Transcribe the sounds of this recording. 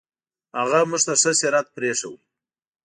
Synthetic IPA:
haɣamʊʐt̪aʂəseɾat̪̚pɾeʂaw

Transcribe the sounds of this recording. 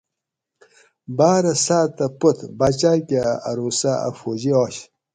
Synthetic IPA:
baːɾɐsaːt̪ɐput̪bat͡ɕakʲaaɾusaa̰fod͡ʑioːɕ

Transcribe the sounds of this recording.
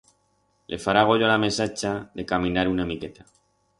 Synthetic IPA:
lʔe̞faɾaɣ̞o̞ʎoalame̞sat͡ʃaðe̞kamĩnaɾunaemike̞t̪ḁ

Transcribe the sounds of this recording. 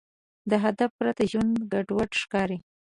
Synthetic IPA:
d̪əɦad̪afpɾat̪aʒwand̪ɡaɖwaʈʃkɑɾi

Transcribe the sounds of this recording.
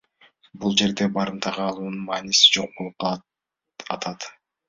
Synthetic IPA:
bulˠd͡ʒe̞ɾd̪e̞bɑɾɯnt̪ʰɑʁɯɑlˠuːnunmɑːnisi̥d͡ʒo̞q̚bolˠup̚qʰɑ | ɑt̪ʰɑt̪

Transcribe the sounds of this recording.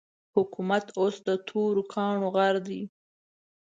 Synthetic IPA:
hʊkumat̪osd̪ət̪ʰoɾokʰɑɳoɣaɾd̪i

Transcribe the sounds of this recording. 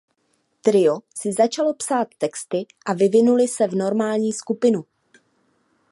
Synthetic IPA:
t̪ɾɪosɪzat͡ʃalo̞psaːt̪ːɛkst̪ɪʔavɪvɪnulɪsɛvno̞ɾmaːlɲiːskupɪnu

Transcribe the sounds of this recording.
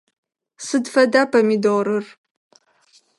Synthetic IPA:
sɨdfɐdaːpʰɐmiːdoːɾɨr

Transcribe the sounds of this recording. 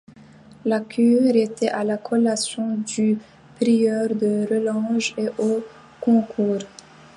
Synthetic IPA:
lakʰyʁet̪ɛʔalakʰɔlasjɔ̃d̪y | pʁijœʁd̪əʁəlɑ̃ʒeʔo | kɔ̃kʰuːʁ

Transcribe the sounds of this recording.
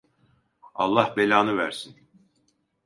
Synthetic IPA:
ɑ̰lˠːɑhbelaːnɯvæɾsin

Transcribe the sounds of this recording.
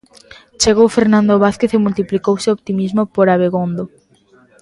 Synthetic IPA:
t͡ʃeɣowfeɾnãnd̪oβaθkeθemult̪iplikowseopt̪imizmopoɾaβeɣond̪o

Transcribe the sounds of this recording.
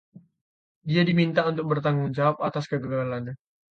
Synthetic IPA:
diadimint̪aunt̪ʊk̚bərt̪aŋʊŋd͡ʒawap̚at̪askəɡəɡalana

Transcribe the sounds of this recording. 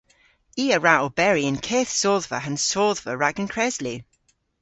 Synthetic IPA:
iːəɹaʔɔbɛɹiə̃nkʰeːθsoːðvə̰ɦə̃nsoːðvəɹaɡə̃nkʰɹ̥ɛzli

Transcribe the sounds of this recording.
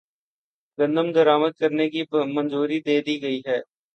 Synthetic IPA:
ɡə̃nd̪əmd̪əɾaːməd̪̚kəɾnekimə̃nzuːɾid̪eːd̪iɡəiːɦɛː

